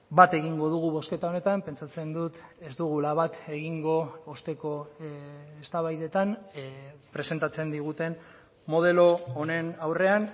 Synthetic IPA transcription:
bat̪e̞ɣ̞iŋɡo̞ðuɣ̞uβo̞ske̞t̪ao̞ne̞t̪ampe̞nt͡sat͡se̞nd̪ut̪e̞zd̪uɣ̞ulaβat̪e̞ɣiŋɡo̞ost̪e̞ko̞ | est̪aβajðe̞t̪an | pɾe̞se̞nt̪at͡se̞nd̪iɣ̞ut̪e̞n | mːo̞ð̞e̞lo̞ːne̞nawre̞an

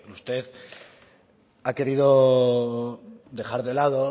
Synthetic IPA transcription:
ust̪e̞ð | ake̞ɾiðo̞ | d̪e̞xaɾðelaðo̞

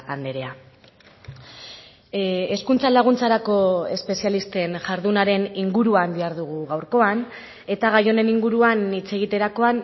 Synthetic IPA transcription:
and̪e̞ɾe̞a | eskunt͡salaɣ̞unt͡saɾako̞e̞spe̞sialist̪e̞nʝaɾðunaɾe̞niŋɡuɾuamb̪iaɾðuɣ̞uɣawɾko̞an | e̞t̪aɣajo̞ne̞niŋɡuɾuanit͡se̞ɣ̞it̪e̞ɾako̞an

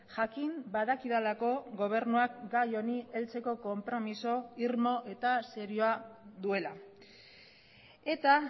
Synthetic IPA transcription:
ʝakimbaðakiðalako̞ɡo̞β̞e̞ɾnuakɡajo̞nie̞lt͡se̞ko̞ko̞mpɾo̞miso̞iɾmo̞ʔe̞t̪aseɾioaðue̞la | e̞t̪a

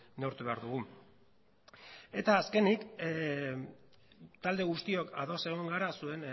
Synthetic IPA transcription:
ne̞uɾt̪uβeaɾðuɣ̞u | e̞t̪aːske̞nik | t̪ald̪e̞ɣust̪io̞kaðo̞se̞ɣ̞oŋɡaɾasue̞n

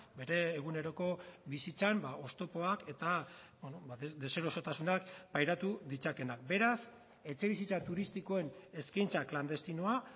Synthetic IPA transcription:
be̞ɾe̞ːɣ̞une̞ɾo̞ko̞bisit͡sambaʔo̞st̪o̞po̞ake̞t̪abonobad̪e̞se̞ɾo̞so̞t̪asunakpajɾat̪uðit͡sake̞nak̚be̞ɾas | e̞t͡se̞β̞isit͡sat̪uɾist̪iko̞e̞ne̞skajnt͡sakland̪e̞st̪inoa

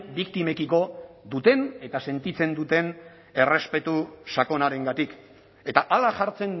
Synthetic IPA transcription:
bikt̪ime̞kiko̞ðut̪e̞ne̞t̪ase̞nt̪it͡se̞nd̪ut̪e̞n | e̞re̞spe̞t̪usako̞naɾe̞ŋɡat̪ik | e̞t̪aʔalaʝaɾt͡se̞n

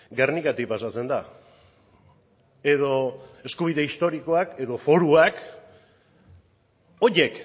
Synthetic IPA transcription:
ɡernikat̪ipasat͡se̞nd̪a | e̞ðo̞e̞skuβ̞iðe̞ist̪o̞ɾiko̞ake̞ðo̞fo̞ɾuak | o̞je̞k

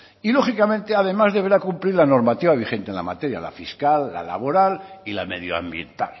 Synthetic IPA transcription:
ilo̞xikamẽ̞nt̪e̞aðe̞mazðeβe̞ɾakumpliɾlano̞ɾmat̪iβaβ̞ixẽ̞nt̪enla̰mat̪e̞ɾja̰la̰fiskalːa̰la̰β̞o̞ɾalila̰me̞ðjoa̰mbje̞̰nt̪a̰l

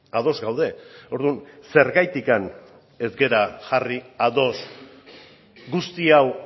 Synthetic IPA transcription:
að̞o̞zɡawð̞e̞o̞ɾðunse̞ɾɣajt̪ikan | e̞zɡe̞ɾaʝariaðo̞s | ɡust̪iaw

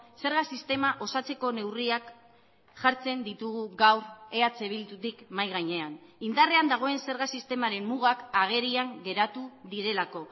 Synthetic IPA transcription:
se̞ɾɣasist̪e̞maʔo̞sat͡se̞ko̞ne̞wriak | ʝaɾt͡se̞nd̪it̪uɣuɣawɾe̞at͡se̞βilt̪ut̪ikmajɣajɲe̞anind̪are̞and̪aɣ̞o̞e̞nse̞ɾɣasist̪e̞maɾe̞mːuɣ̞akaɣ̞e̞ɾiaŋɡe̞ɾat̪uðiɾe̞lako̞

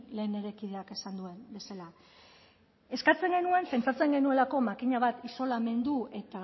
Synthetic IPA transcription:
le̞ːne̞ɾe̞kið̞e̞ake̞sand̪ue̞nbe̞sala | e̞skat͡se̞ŋɡe̞nue̞mpe̞nt͡sat͡se̞ŋɡe̞nue̞lako̞makiɲaβ̞at̪iso̞lame̞nd̪ue̞t̪a

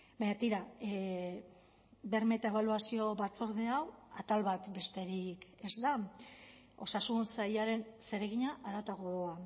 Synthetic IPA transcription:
baɲat̪iɾa | be̞ɾme̞t̪ae̞βaluasio̞βat͡so̞ɾðe̞awat̪alβat̪be̞st̪e̞ɾike̞zd̪a | o̞sasunsajaɾe̞nse̞ɾe̞ɣ̞iɲaʔaɾat̪aɣoa

